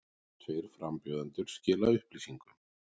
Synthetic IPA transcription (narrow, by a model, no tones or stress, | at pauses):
t̪ʰeːjɾ̥fɾampjɔːðant̪ʏɾ̥scɪːlaʏhpliːsiŋkʏ